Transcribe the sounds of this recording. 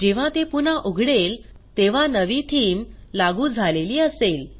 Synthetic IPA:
d͡ʑeʋ̤ãt̪epunaʔoɡʱɽel | t̪eʋ̤anəʋit̪ʰiːmlaɡuːd͡zʱaleliːəsel

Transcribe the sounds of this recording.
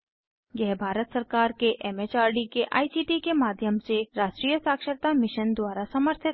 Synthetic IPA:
jɛɦbʱaːɾət̪səɾkaːɾkeʔɛːmet͡ʃaːɾɖikeʔa̰ːisiːʈikemaːd̪ʱjəmseɾaːʃʈɾiːjəsaːkʃəɾt̪amɪʃənd̪waːɾasɐməɾt̪ʰɪ

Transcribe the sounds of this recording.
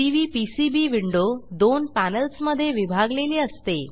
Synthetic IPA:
iʋiːpisibiːʋiɳɖod̪onpænəlsməd̪ʱːjeʋibʱaɡleliːəst̪e

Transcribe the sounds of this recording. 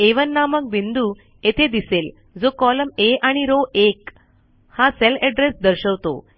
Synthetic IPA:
eʋənːamək̚bind̪u | et̪ʰed̪isel | d͡zokɔləmeʔaɽ̃iɾoʔek | hãselɛɖɾesd̪əɾɕəʋt̪o̰

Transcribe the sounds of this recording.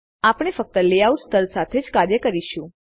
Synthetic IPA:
apɽ̃efək̚t̪əleauʈst̪ʰəlsat̪ʰed͡ʒkaɾjəkəɾiʃũ

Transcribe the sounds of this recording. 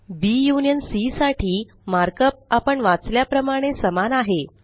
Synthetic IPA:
bijunjənsisaʈʰiː | maɾkəp̚apəɳʋat͡sljapɾəmaɽ̃esəmanaɦe

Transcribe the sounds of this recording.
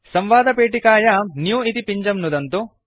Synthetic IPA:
sɐmʋaːd̪ɐpeːʈ̬ikaːjɐnjuːit̪ipiɲd͡ʒɐmnud̪ɐnt̪u

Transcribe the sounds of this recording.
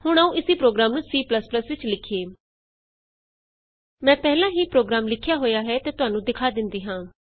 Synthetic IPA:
hʊɽ̃əũːʔɪsiːpɾoːɡɾaːmnũsiːpləspləsʋɪt͡ʃlɪkʰːeː | mɛ̃ːpɛːɦlãːɦiːpɾoːɡɾaːmlɪkʰjaːɦoːjaːɦɛːt̪eːt̪ʊɦaːnũːd̪ɪkʰaːd̪ɪnd̪iːɦãː

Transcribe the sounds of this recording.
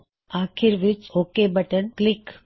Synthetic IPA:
aːkʰiɾʋit͡ʃokebəʈəɳklik

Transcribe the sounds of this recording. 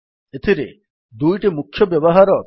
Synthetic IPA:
et̪ʰiɾḛ | d̪ujʈimukʰːjɔbjebɔɦaɾɔk̪

